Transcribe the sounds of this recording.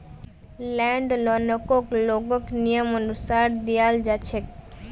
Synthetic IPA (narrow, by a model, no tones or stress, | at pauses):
lɛɳɖlɔnokokloɡoknijomonusaɾd̪ijald͡ʒat͡ɕʰek